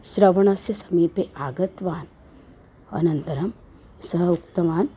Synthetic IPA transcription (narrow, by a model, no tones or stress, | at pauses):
ʃɾɐʋɐɳɐsjɐsɐmiːpeʔaːɡɐt̪ʋaːn | ɐ̰nɐnt̪ɐɾɐm | sɐɦɐukt̪ɐʋaːn